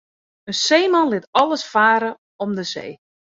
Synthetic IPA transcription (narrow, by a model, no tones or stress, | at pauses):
ənseːmɑnlɪtɔlˠəsfaːɾə | ɔmdəsḛː